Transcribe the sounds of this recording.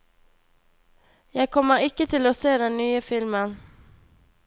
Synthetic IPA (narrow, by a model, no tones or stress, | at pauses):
jɑːɡ̚kʰɔmːəɾɪkːət̪ʰɪlɔseːd̪ɛnːyːəfɪlmən